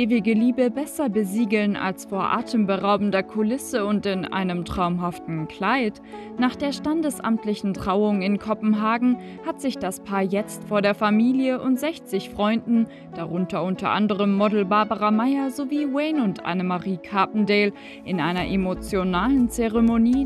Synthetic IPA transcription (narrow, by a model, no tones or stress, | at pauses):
ʔeːvɪɡəliːbəbɛsɐbəziːɡl̩na̰lsfoːɐʔa̰ːtʰəmbəʁaʊbn̩dɐkʰʊlɪsəʊntɪnʔa̰ɪnəmtʁ̥aʊmɦaftn̩kʰl̥aɪt | naːχd̥eːɐʃtandəsʔa̰mtlɪçn̩tʁ̥aʊʊŋɪnkʰɔpm̩ɦaːɡŋ̩ | hatz̥ɪçd̥aspʰaːɐjɛt͡stfoːɐɾeːɐfamiːljəʔʊntz̥ɛçt͡sɪçfʁ̥ɔʏndn̩ | d̥aʁʊntɐʊntʰɐ̰ʔa̰ndəʁəmːɔdl̩baɐbəʁamaɪɐzoviːwɛɪnʊntʔa̰nəmaʁiːkʰapn̩deːl | ʔɪnʔaɪnɐʔemot͡sjonaːlənt͡seʁemoniː